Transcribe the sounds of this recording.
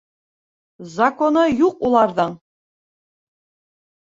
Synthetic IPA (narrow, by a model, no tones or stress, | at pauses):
zɐkonɤjuqulˠɑɾðɤɴ